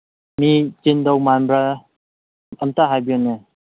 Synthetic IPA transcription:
mit͡ʃindɔwmanbɾa | ɐmtaɦajbijɔne

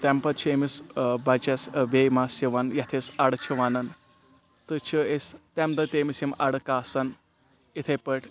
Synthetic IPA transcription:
t̪ɛmpɐt͡ʃʰeːmisbɐt͡ʃɐsbeːmasiʋɐnjɐt̪ʰesɐɽt͡ʃʰiʋanɐn | t̪ɨt͡ʃʰiest̪ɛmd̪ɐt̪eːmisimʔɐɽɨkaːsɐn | it̪ʰepɐʈʰʲ

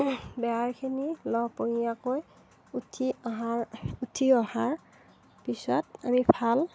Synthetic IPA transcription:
bɛaɹkʰinilɔpoɦijakoj | utʰiɔɦaɹutʰiɔhaɹ | pisɔtamipʰal

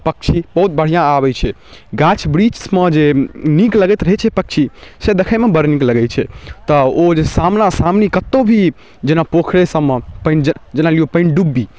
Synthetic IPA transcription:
pək̚t͡ʃʰibəɦut̪̚bəɽ̤ijãabɛt͡ʃʰɛ | ɡat͡ʃʰbɾit͡ʃsmed͡ʒenikləɡɛt̪ɾəɦɛt͡ʃʰɛpək̚t͡ʃʰised̪ekʰəmebəɾnikləɡɛt͡ʃʰɛt̪əod͡ʒesamnasamnikət̪ːobʱi | d͡ʒenapokʰɾesəmːepəɪnd͡ʒd͡ʒenaliopə̃ɪɳɖubːi

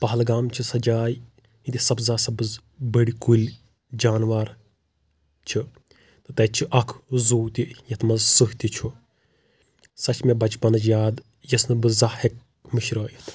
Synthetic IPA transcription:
pɐɦɐlɡaːmt͡ʃʰisɐd͡ʒaːj | it̪ʲisɐbzaːsɐbɨz | bəɽikulʲ | d͡ʒaːnʋaɾ | t͡ʃʰi | t̪ɨt̪ɐt͡ʃʰiʔɐkʰzuːt̪ijɐt̪ʰmɐzsɨɦt̪it͡ʃʰu | sɐt͡ʃʰmʲebɐt͡ʃbɐnɐt͡ʃjaːd̪ | jɐsnɨbɨzahek̚ | mɨʃɾɐːjɐt̪ʰ

